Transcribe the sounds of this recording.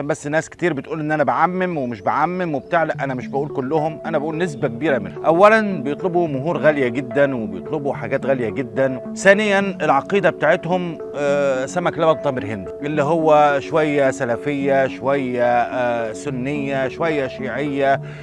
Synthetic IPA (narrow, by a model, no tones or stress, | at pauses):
mbæsːnːæːskt̪iːɾbɪt̪ʔuːlʔenːʔænæbaʕamːɪmwɪmɪʃbaʕamːɪmwɪb̚t̪aʕlæʔʔænæmɪʃbaʔuːlkʊlːʊhʊmʔænæbaʔuːlnɪs̬bæk̚biːɾamɪnʔæwːælænbɪjet̪ˤlebumʊɦuːɾɣæljaɡɪd̪ːænwɪbɪjet̪ˤlɪbuħaɡæːt̪ɣæljaɡɪd̪ːæn | θæːnɪjːænʔɪlʕɑqiːd̪abet̪aːʕet̪hʊm | sæmæklæbæt̪̚t̪ˤɑmɪɾhɪnd̪iʔɪlːiɦowːæʃwæjːæsælæfɪjːaʃowæjːa | sʊnːɪjːaʃowæjːæʃiːʕɪjːa